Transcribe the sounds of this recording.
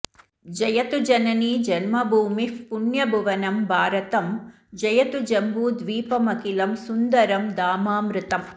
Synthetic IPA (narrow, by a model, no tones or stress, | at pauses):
d͡ʒɐjɐt̪ud͡ʒɐnɐnid͡ʒɐnmɐbʱuːmifpunjɐbʱuʋɐnɐmbʱaːɾɐt̪ɐm | d͡ʒɐjɐt̪ud͡ʒɐmbuːd̪ʋiːpɐmɐkilɐmsund̪ɐɾɐmd̪aːmaːmɾut̪ɐm